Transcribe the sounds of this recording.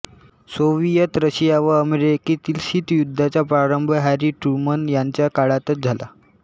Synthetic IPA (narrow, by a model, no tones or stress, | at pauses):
soʋijət̪ɾəɕijaʋəəmeɾekit̪iːlɕiːt̪jud̪ʱːat͡ɕapɾaɾəmbʱəɦæɾiʈumənjaɲt͡ɕjakaɭat̪ət̪̚d͡zʱala̰